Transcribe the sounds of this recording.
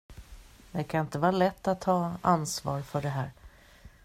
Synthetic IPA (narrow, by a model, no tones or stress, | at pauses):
d̪ɛkʰanɪnt̪əvɑːɾalɛt̪ːat̪ʰːɑːansvɑ̰ːɾfœɖɛɦæːɾ